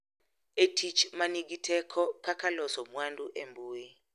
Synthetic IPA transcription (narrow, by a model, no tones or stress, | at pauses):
etʰit͡ʃʰmanik̬itʰɛkʰɔkʰakʰalɔsɔmwandʼuʔembuːji